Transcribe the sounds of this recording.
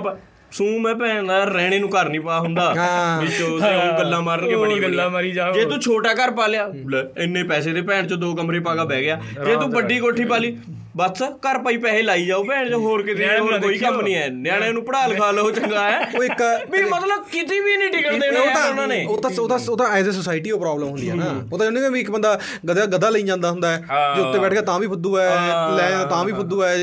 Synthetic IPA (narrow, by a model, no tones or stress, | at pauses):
pː | sũːmɛ̃ːpɛ̃ːd̪aːɾɛːɽ̃eːnũːkəɾnĩːpəaːɦʊ̃nd̪aːʋɪt͡ʃõːsõːɡəlːãːməɾəeɡəlːãːmaɾiːd͡ʒaːd͡ʒeːt̪ũːt͡ʃʰoːʈaːkəɾpaːlɪjaːɪnːẽːpɛːseːt̪eːpɛ̃ːɳ̃t͡ʃõːd̪oːkəmɾeːpaːɡaːbɛːɡɪjaː | d͡ʒeːt̪ũːbəɖiːkoːʈʰːiːpaːliː | bəskəɾpaːiːpɛːeːlaːiːd͡ʒaːoːpɛ̃ːɳ̃t͡ʃõːɦoːɾkɪt̪eẽɦoːɾkoːiːkəmnĩːɛːnjaːɽ̃eːnũːpəɽaːlkʰaːləot͡ʃəŋɡaːɛːoːɪkbiːmət̪ləb̚kɪt̪iːbiːnĩːʈɪkəɽd̪eːoːt̪ãʊnaːneːoːt̪ãoːt̪ãːoːt̪ãːɛːzeːs̬osaːɪʈiːoːpɾaːbləmɦʊnd̪iːɛnaːoːt̪ãːd͡ʒə̃ːniːeːbĩːɪkbənd̪aː | ɡəd̪aːɡəd̪ːaːləĩːd͡ʒãːnd̪aːɦʊnd̪aːɛːd͡ʒeːʊt̪ːeːbɛːʈʰkeːt̪ãːbiːpʰʊd̪uːɛːlɛ̃ːt̪ãːbiːpʰʊd̪uːɛː